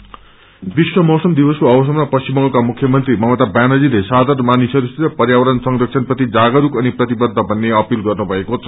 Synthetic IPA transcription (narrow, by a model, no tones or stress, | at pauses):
biswʌmʌwsʌmd̪ibʌskoʌbʌs̬ʌmapʌst͡ɕimʌŋɡʌkamukʰjʌmʌnt̪rimʌmʌt̪abjanʌd͡zilesad̪ʱarnmanisʌd̪ust̪iɾʌpʌrjawʌɾʌnsʌŋɾʌksʰʌnprʌt̪id͡zaɡʌɾukʌniprʌt̪ibʌd̪ʱːʌbʱʌnːeʌpilɡʌrnubʱʌekot͡sʰʌ̥